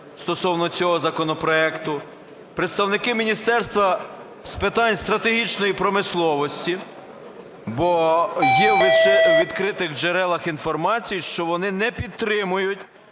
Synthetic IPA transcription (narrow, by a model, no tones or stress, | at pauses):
st̪ɔsɔwnɔt͡sʲɔɦɔzɐkɔnɔpɾɔɛkt̪ʊ | pɾet̪st̪ɐwnɪkɪmʲinʲist̪ɛrst̪ʋɐ | spɪt̪ɑnʲst̪ɾɐt̪eɦit͡ʃnɔjipɾɔmɪslˠɔʋɔsʲtʲi | bɔjɛʋɪt͡ʃʋʲid̪kɾɪt̪ɪɣd͡ʒeɾɛlˠɐxinfɔrmɑt͡sʲijiʃt͡ʃɔʋɔnɪnɛpʲid̪̚t̪ːɾɪmʊjʊtʲ